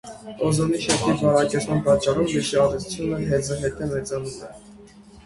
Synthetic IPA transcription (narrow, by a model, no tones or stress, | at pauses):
ɔzɔniʃɛt̪ʰivvɑnɑkɛt͡smɑnpɑt͡ʃːɑɾumliʃiɑʒɛt͡su̥t͡sʰjunəɦɛd͡zəɦɛt̪ɛmɛt͡sɑnumɛ̰